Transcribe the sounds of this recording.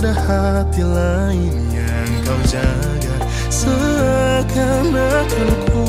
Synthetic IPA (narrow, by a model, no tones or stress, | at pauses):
daha | t̪ila | ɪnja | ŋkawd͡ʒa | ɡa | sə | ka | nakʊnkʰu